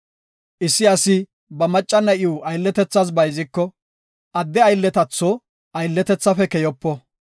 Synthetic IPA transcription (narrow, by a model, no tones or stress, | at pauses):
ʔɪsːɪɐsɪ | bɐmɐt͡ʃʼːɐnɐʔɪuɐjlːɛt̪ɛt͡sːɐs̬bɐjzɪkːɔ | ʔɐd̪ːɛɐjlːɛt̪ɐt͡sːɔ | ʔɐjlːɛt̪ɛt͡sːɐfɛkɛjɔpːɔ